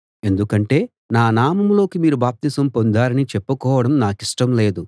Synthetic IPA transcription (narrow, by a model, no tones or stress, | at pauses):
e̞nd̪ukɐɳʈe̞ː | naːnaːmɐmlo̞ːkimiːɾubaːp̚t̪isɐmpo̞nd̪aːɾɐnit͡ʃepːɐkɔːʋɐɽɐmnaːkiʂʈɐmle̞ːd̪u